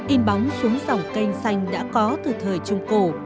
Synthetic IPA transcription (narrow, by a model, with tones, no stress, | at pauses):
ʔi˧mɓa˨˦wŋ͡msu˨˦ŋza˨˩wŋ͡mkə˧jŋ̟sa˧jŋ̟ɗa̰ː˧˥kɔ˨˦t̪ɨ˨˩t̪ʰəː˨˩jt͡ɕʊ˧ŋ͡mko˧˩